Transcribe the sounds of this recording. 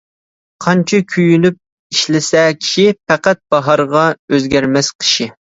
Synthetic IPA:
qʰɑnt͡ʃʰɑkʲʰyjynyp̚ | iʃlɪsɛkʲʰi̥ʃipɛqæt̪̚b̥ɑɦɑɾʁɑøzɡʲɛɾmɛsqʰə̥ʃi

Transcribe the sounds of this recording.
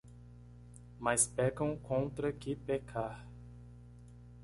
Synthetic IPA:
mɐspɛkɐ̃w̃kõnt̪ɾɐkɪpekʰaɾ

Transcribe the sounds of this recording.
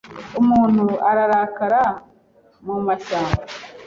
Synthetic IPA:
umuːn̥huaɾaɾakaɾa | mumaʃaːŋmɡa

